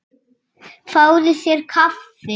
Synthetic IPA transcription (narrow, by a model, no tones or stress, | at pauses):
faːwðʏθjɛɾ̥kʰafθɪ